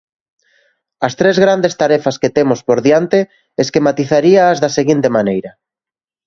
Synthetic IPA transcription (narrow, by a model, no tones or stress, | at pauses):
ɐst̪ɾezɣɾand̪est̪aɾɛfasket̪emʊspoɾðjant̪e | eskemat̪iθaɾiaːzðaseɣint̪emanejɾɐ